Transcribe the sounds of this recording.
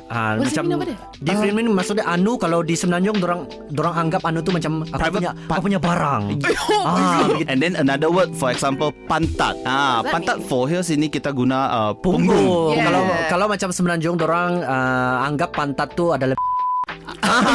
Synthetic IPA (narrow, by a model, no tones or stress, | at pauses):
ammat͡ʃam | difɾinmɛnmasʊk̚ɲaʔanukalawdisəmənaɲd͡ʒʊŋdoɾaŋ | doɾaŋaŋɡap̚anut̪̬umat͡ʃamaɲakapuɲabaɾaŋaɡɛ̃ndɛnənadəwət̪̚fɔɾɛksampəlpant̪a̰t̪̚apant̪at̪̚fɔɦɛs̬inikit̪aɡunaəpuuŋɡukalawkalawmat͡ʃamsəmənaɲd͡ʒʊŋdoɾaŋəaŋɡapːant̪at̪ːuadala | a